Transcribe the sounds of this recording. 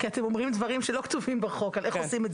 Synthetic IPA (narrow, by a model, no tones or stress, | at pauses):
kiat̪emomʁimdvɐʁimʃelo̞kt̪uvimbeχo̞kalʔeχosimez